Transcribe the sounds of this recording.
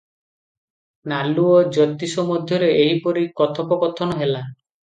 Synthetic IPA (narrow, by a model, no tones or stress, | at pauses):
naluɔd͡ʒɔt̪isɔmɔd̪ʱjɔɾeeɦipɔɾikɔt̪ʰɔpɔkɔt̪ʰɔnɔɦela